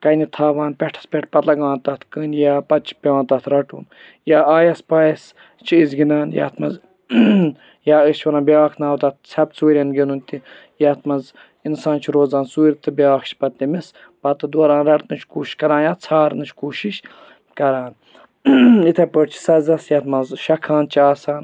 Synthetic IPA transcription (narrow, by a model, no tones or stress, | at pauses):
kɐjnit̪ʰaːʋaːnpʲɛʈʰɐ̥spʲɛʈʰpɐt̪lɐɡãːnt̪ɐt̪ʰkɨnjaːpɐt̪t͡ʃʰi̥pʲeãːnt̪ɐt̪ʰɾɐʈṵːn | jaːaːjɐspaːjɐs | t͡ʃʰiizɡinaːnjɐ̰ːt̪ʰmɐz | jaːɨt͡ʃʰʋɐɾaːnbʲaːkʰnaːwt̪ɐt̪̚ʰt͡sʰɐb̪̚suːɾʲɐnɡinunt̪i | jat̪ʰmɐnz | insaːnt͡ʃʰiɾoːzaːnsuːɾʲt̪ɨbʲjaːxt͡ʃʰi̥pɐt̪nʲimis | pɐt̪ɨd̪uɐɾaːnɾɐɽt̪nɨt͡ʃʰkuːʃi̥ʃkɐɾãːnjaːt̪t͡sʰaːɾnɨt͡ʃʰkuːʃiʃ | kɐɾaːn | it̪ʰɐpəːɾt͡ʃʰi̥sɐzɐsjɐːt̪mɐzʃɐkʰaːnt͡ʃʰiaːsaːn